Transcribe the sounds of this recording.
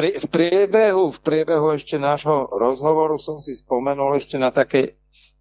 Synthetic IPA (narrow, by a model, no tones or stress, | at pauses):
ɾfpɾɪɛbɛɦufpɾɪɛbɛɦuɛʃcɛnaːʒɦɔɾɔzɦɔʋɔɾusɔmsispɔmɛnulɛʃcɛnat̪akɛː